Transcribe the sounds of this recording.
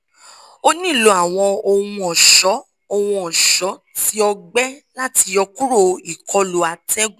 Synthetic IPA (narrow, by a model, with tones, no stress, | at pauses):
o˦nĩ˦˨lo˧˦a˨w̃ɔ̃˧o˧wũ˧ɔ˨ʃɔ˨˦ | o˧w̃ũ˧ɔ˨ʃɔ˨˦ | ti˦ɔ˧ɡ͡bɛ˦la˦ti˧jɔ˧ku˦ɾo˦˧˨i˨kʰɔ˧lo˨a˨tɛ˦ɡu˦